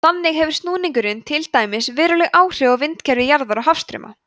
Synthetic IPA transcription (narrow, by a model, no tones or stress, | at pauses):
θanːɪɣhɛvɪɾ̥st̪nuːniŋkʏɾɪnt̪ʰɪlt̪aːjmɪsvɪːɾɔlɛɣʔaːwr̥ɪɔvɪnt̪cʰɛɾvɪjaɾðaɾaɦafst̪ɾʏ̰ːma̰